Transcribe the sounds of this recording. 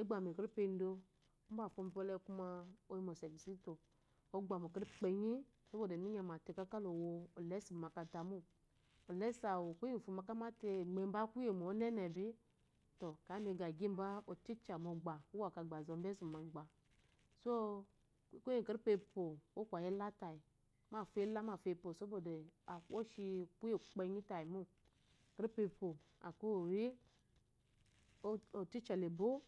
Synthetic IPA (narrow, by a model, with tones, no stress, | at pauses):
e˦ɡ͡ba˨m˨e˨ke˦ɾi˦pe˧˨n˦do˧˦ | m˦ba˦˨fo˧m˨bɔ˦lɛ˦ku˦ma˧o˦ji˦mo˨sɛ˨ɡi˨si˦to˨ | o˦ɡ͡ba˨mo˨ke˦ɾi˦k͡pe˨ɲi˦˨ | o˦o˦˨de˨mi˦ɲa˨ma˨te˦˨ka˦ka˦lo˨woː˧˨lɛ˦si˨m˨ma˨ka˧ta˨mu˦ | o˨lɛ˨˦sa˨wo˨ku˦i˦˨fu˨ma˨ka˦ma˦te˧˨ɡ͡be˨m˦ba˦ku˦je˨mo˨o˨˦nɛ˦nɛ˨bi˦ | to˨ka˨˦mi˧ɡa˨ɡi˦m˦ba˦o˨ti˦t͡ʃa˨mo˨ɡ͡ba˨u˦wa˨ka˨ɡ͡ba˨zo˨m˦be˦zu˨ma˨ɡ͡ba˨ | so˦˨ | ku˦ji˦˨kɾi˦pe˧po˨o˦kʷa˨ji˦la˦ta˨i˨ | ma˦˨fe˦la˦ma˨fe˧˨po˨so˦bo˨de˨a˨˦o˦ʃi˧ku˦e˨k͡pe˧ɲi˦ta˨ji˨mu˦ | kɾi˦pe˧po˨ | a̰˨ko˦˨ɾi˦ | o˨ti˦t͡ʃa˨le˨bo˦